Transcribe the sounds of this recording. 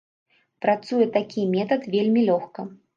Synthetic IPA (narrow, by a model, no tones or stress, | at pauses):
pɾat̪sujɛt̪akʲimʲɛt̪ɐt̪vʲelʲmʲilʲɔxkɐ